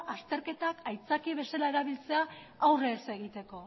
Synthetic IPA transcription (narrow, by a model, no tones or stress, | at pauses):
ast̪e̞ɾke̞t̪akajt͡sakiβ̞e̞salae̞ɾaβ̞ilt͡se̞a | awre̞ːse̞ɣ̞it̪e̞ko̞